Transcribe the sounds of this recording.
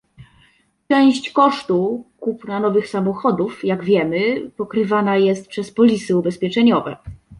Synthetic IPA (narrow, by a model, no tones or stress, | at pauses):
t͡ʂɛw̃ɕt͡ɕkɔʂt̪ukupnanɔvɘxsamɔxɔd̪ufjaɡvʲjɛmɘpɔkɾɘvanajɛst̪̚pʂɛspɔlʲisɘubɛspʲjɛt͡ʂɛɲɔvɛ̰